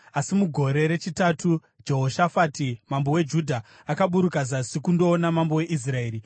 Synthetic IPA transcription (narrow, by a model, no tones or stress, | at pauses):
asimuɡʱo̞ɾe̞ɾe̞t͡ʃitatu | d͡ʒe̞ɦo̞ʃafaːtimambowe̞d͡ʒudʱa | akaɓuɾukazasikundo̞ːnamambowe̞ʔis̬rae̞ːɾi